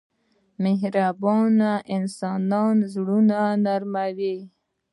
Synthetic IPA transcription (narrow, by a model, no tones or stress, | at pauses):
meɦɾabɑnaʔɪnsɑnɑnzɽunanaɾmawi